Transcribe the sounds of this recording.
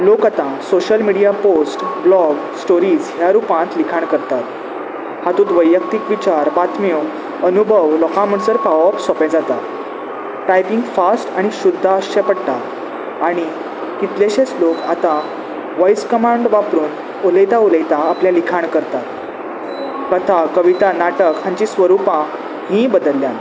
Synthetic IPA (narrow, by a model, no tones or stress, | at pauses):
lokat̪ãsoɕəlmiɽijaposʈblɔɡ | sʈoɾiːd͡zɦjaɾupãt̪likʰaɳkəɾt̪at̪ | hat̪ũːt̪ʋəjːək̚t̪ikʋit͡ɕaɾbat̪mio | ənubʱəʋlɔkãm̤əɳsəɾpaʋɔpsɔpɛ̃d͡zat̪a | ʈajpiŋɡfasʈaɽ̃iɕud̪ʱːaəɕɛpəɽt̪a | aɽ̃i | kit̪leɕẽt͡slokat̪a | ʋajskəmaɳɖʋapɾuːn | oləjt̪auləjt̪aːpljalikʰaɳkəɾt̪at̪ | kət̪ʰakəʋit̪anaʈəkãɲt͡ɕisʋəɾupã | ɦĩbəd̪əlːjãn